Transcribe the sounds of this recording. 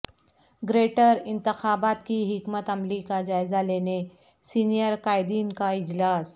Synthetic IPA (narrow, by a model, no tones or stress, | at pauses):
ɡɾeːʈəɾɪ̃nt̪ɪxaːbaːt̪kiɦɪkmət̪ɐmlikad͡ʒaːɪzaleːne | siːnijəɾkaːɪd̪iːnkaɪd͡ʒlaːs